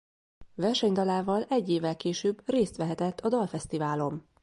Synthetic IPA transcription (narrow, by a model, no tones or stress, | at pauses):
vɛrʃɛɲd̪ɒlaːvɒlɛɟːeːvːɛlkeːʃøːbreːst̪ʋɛɦɛt̪ɛt̪ʰːɒd̪ɒlfɛst̪ivaːlo̞m